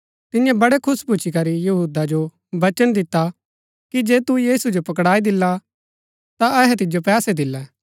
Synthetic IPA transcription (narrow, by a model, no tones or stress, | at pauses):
t̪ɪnjãbɐɽekʰʊsput͡ʃʰikɐɾijɐɦuːd̪ad͡ʒo | ʋɐt͡ʃənd̪ɪt̪ːa | kid͡ʒeːt̪ujiːsud͡ʒopɐkɽaːid̪ɪlːa | t̪aɛɦɛt̪ɪd͡ʒopɛːsed̪ɪlːɛː